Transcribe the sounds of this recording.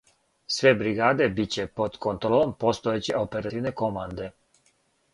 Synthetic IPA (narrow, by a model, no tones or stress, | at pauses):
sʋebɾiɡaːd̪e̞bit͡ɕepo̞d̪kont̪ɾolˠompost̪oet͡ɕeʔopeɾat̪iʋnekomand̪e